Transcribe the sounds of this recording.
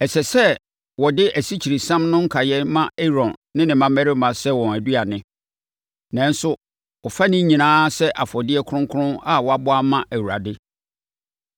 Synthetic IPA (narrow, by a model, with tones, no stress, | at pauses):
ɛ˨sɛ˨sɛ˦ | wɔ˨dɪ˦ʔæ˨si˦t͡ɕʰi˨ɾi˨sã˦mnʊ̃˦ŋ̩˦kʰa˨jɛ˦mã˦e˦ɾɔ̃˨nːɪ̃˦nɪ̃˨mã˦mæ˦ɾɪ˦mã˨sɛ˦wɔ̃˨æ˨du˦a˨nɪ̃˦ | nã˨n̩˦sʊ˦ | ɔ˨fa˦nɪ̃˦ɲĩ˨nãː˦sɛ˦ʔa˨fɔ˨dɪ˦ɛ˦kʰʊ˦ʊ̃˦ŋkʰʊ˦ʊ̃˦na˦wɔ˨a˨bʊ˦a˦mã˦ʔæ˨wu˨ɾa̰˨dɪ˦